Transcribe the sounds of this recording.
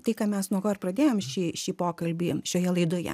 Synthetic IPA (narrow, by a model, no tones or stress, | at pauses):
t̪ɐɪkɑːmʲɛsnuɔkoːɪrprɐd̪ʲeːjoːmʃʲiːʃʲiːpoːkɐlʲbʲiːʃʲoːjɛlˠɐɪd̪oːjɛ̰